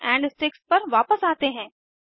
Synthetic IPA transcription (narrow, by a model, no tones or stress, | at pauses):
ɛ̃ːɳɖɪsʈɾɪkspɐɾʋaːpəsaːt̪eɦɛ̃ː